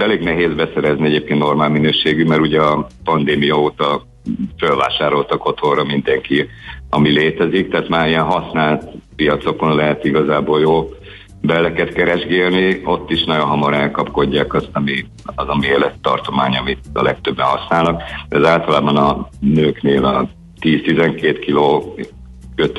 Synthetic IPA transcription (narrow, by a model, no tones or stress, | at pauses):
ɛleːɡnɛɦeːzbɛsɛɾɛzniɛɟeːp̚kenno̞rmaːlminøːʃeːɡymɛɾuɟɛɒpɒnd̪eːmijɒoːt̪ɒ | følva̰ːʃaːɾo̞lt̪ɒko̞t̪o̞rɒmind̪ɛŋkiɒmileːt̪ɛzikt̪ɛːt̪maːɾijɛnɦɒsnaːlt̪pijɒt̪so̞ko̞nlɛɦɛt̪iɡɒzaːboːljoːl | bɛlːɛkɛt̪kɛɾɛʒɡeːlnio̞t̪ːiʃnɒɟonɦɒmɒɾɛlkɒpko̞ɟːaːkɒst̪ɒmi | ɒzɒmeːlɛt̪ːɒ̰rt̪o̞maːɲɒmit̪ɒ̰lɛk̚t̪ø̞bːɛɦɒsnaːlnɒk̚d̪ɛzaːlt̪ɒlaːbɒnɒnøːkneːlɒ | t̪iːst̪izɛŋkeːt̪kiloː | køt̪